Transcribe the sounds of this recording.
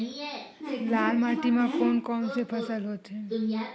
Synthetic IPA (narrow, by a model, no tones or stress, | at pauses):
laːlmaːʈimãkoːnkɔːnsepʰəsəlɦot̪ʰeː